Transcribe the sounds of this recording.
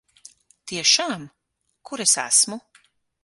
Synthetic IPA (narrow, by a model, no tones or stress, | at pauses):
t̪iɛʃaːm | kuɾesæ̰smu